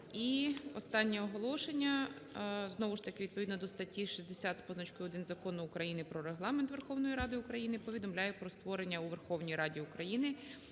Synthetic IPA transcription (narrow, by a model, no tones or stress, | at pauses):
iɔst̪ɑnʲːiɔɦɔlˠɔʃenʲːɐ | znɔʋʊʃt̪ɐkɪʋʲid̪̚pɔʋʲid̪nɔd̪ɔst̪ɐtʲːiʃizʲd̪esʲat̪spɔznɔt͡ʃkʊɔd̪ɪnzɐkɔnʊːkɾɐjinɪpɾɔɾeɦlˠɑment̪ʋe̞rxɔwnɔjiɾɑd̪ɪʊkɾɐjinɪpɔʋʲid̪ɔmlʲajɛpɾɔst̪ʋɔɾenʲːɐuʋerxɔwnʲijɾɑdʲiukɾɐjinɪ